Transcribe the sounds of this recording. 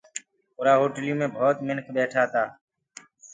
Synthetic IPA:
pʊɾaːɦoːʈəljõːmẽːbʱɔːt̪mɪnkʰɓɛːʈʰaːt̪aː

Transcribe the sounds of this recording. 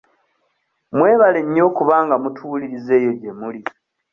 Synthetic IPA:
mwe̞ːβale̞ɲːo̞ːkuβaːŋɡamutʰuːliɾize̞ːjo̞ɟemuli

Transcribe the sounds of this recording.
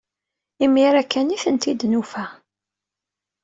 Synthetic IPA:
imiɾækːæniθənt̪id̪nufæ

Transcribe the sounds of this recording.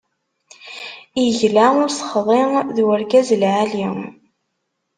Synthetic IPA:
jəʝlaʊɾsə̥χðˤeðwəɾɡæzəlʕaliŋ

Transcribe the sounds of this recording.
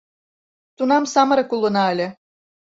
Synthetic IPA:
t̪unɑmsɑmɤ̆ɾɤ̆kulˠːɤ̆nɑɘlʲĕ

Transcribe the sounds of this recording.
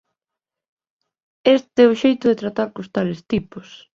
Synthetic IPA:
est̪ɛʊʃejt̪ʊðet̪ɾat̪aɾkost̪alest̪ipʊs

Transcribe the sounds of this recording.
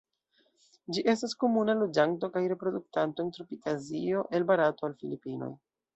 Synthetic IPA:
d͡ʒiʔe̞stasko̞munalud͡ʒaŋto̞kajɾe̞pɾo̞duk̚tantoentɾupitazio̞ʔe̞lbaɾato̞alfilipino̰j

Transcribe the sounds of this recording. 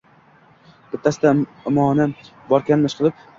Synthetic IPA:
b̥ɪt̪ʰːasɪd̪amɒnɪ | bɒɾkʲanmɪʃqʰɨlˠɪp̚

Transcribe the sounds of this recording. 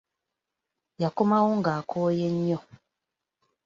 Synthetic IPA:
jakomawoŋɡaːkʰoːjeɲːo

